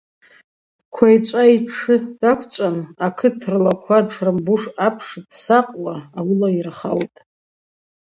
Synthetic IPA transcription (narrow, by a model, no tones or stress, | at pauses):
kʷʰajt͡ʃʷʼaiʈ͡ʂʰɨd̥akʷʰt͡ʃʷʼanakʰɨtʰrlakʷʰaʈ͡ʂʰrambuʂapʰʂdsaqʼwaːwʊlairχa̰wtʼ